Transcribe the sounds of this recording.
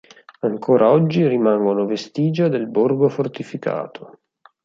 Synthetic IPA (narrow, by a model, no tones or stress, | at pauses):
aŋkʰoːɾʔaɔd͡ʒːirimaŋɡonovest̪iːd͡ʒad̪elborɡofort̪ifikʰa̰ːt̪ʰo